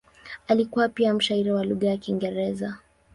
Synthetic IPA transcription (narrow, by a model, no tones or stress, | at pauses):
alikuwapiam̩ʃaiɾiwaluɠajakiŋɡɛɾɛza